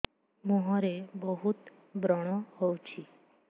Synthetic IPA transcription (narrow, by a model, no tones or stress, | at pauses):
mɔɦɔ̃ɾebɔɦut̪ | bɾɔɽ̃ɔhowt͡ʃʰi